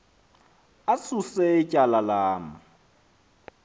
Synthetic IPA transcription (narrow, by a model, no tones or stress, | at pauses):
asuseɪcʼalalaːmʊ